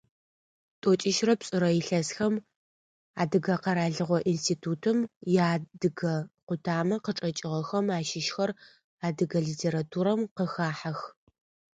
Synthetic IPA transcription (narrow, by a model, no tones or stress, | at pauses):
tʼot͡ʃʼɪʃrɐpsʼɨɾɐjɪɬɐsxɐm | aːdɨɡɐqɐɾaːɮɨʁʷɔʔinstʰiːtʰuːtʰɨmjaːdɨɡɐqʷʊtʰaːmɐqəʈ͡ʂʼɐt͡ʃʼɪʁɐxɐmaːʃɪʃxɐr | aːdɨɣɐɮiːtʰeːɾatʰuːɾɐmqəxaːħɐx